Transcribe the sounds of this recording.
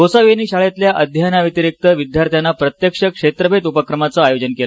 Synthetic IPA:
osaʋeniːɕaɭet̪ljaʔəd̪ʱjanaʋit̪iɾik̚t̪əʋid̪ʱjaɾt̪ʰjanːapɾət̪jəkʂəkʂet̪ɾəbʱet̪upəkɾəmat͡səajod͡ʑənkela

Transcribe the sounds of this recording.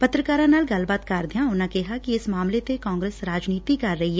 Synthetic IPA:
pɐt̪ɾəkaːɾãnaːlɡɐlbaːt̪kaːɾd̪ʱjãʊnãkeɦakiɪsmaːmlet̪ekãːŋɡɾeːsɾaːd͡ʒniːt̪ikɐɾːɐɦiɦɛ

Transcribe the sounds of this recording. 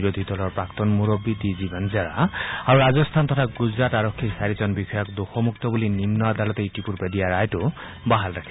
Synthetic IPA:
ɾod̪ʱid̪ɔlɔɹpɹakt̪ɔnmuɾɔbit̪izibanzaɹa̰aɹuɾazɔst̪ʰant̪ɔtʰaɡuzɹataɹɔkʰːisaɹit͡ʃɔnbixɔjɔkd̪oxɔmukt̪ɔbulinimnɔad̪alɔt̪eitipuɹpedijaɹajtʊ | baɦalɹakʰi̥

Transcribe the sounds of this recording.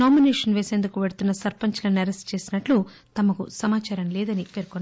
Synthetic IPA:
aːmineːʂɐnʋeːseːnd̪ukuʋeɽut̪unːɐsɐɾpɐɲt͡ʃɐlɐnɐɾesʈt͡ʃe̞ːsinɐʈlu | t̪ɐmɐkṵsɐmaːt͡ʃaːɾɐmleːd̪ɐnipeːɾkonː

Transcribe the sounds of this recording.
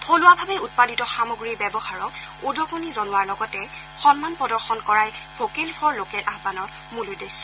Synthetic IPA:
tʰolʊwabʱabɛut̚paditɔxamoɡɹibɛbɔhaɹɔk | udɔkonizonʊwaɹlɔɡɔtɛ | xɔnmanpɔdɔɹxɔnkɔɹajpʰokelpʰɔɹlokɛɹʔaɦbanɔɹ | muludes

